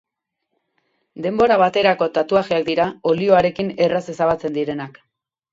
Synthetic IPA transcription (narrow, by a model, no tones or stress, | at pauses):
d̪e̞mbo̞ɾaβ̞at̪e̞ɾako̞t̪at̪uaɣiakd̪iɾao̞lio̞aɾe̞kine̞rase̞saβat͡se̞nd̪iɾe̞nak